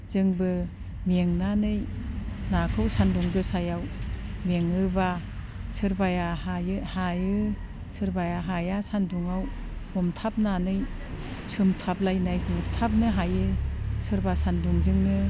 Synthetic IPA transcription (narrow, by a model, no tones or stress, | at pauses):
z̥ɯŋbɯ | meŋnanɯjnakʰɯwsanduŋbɯsajawmeŋɯba | sɯɾbajahajɯhajɯ | sɯɾbajaɦajasanduŋaw | ɔmtʰap̚nanɯj | sɯmtʰap̚lajnajɡutʰap̚nɯɦajɯsɯɾbasanduŋzɯŋnɯ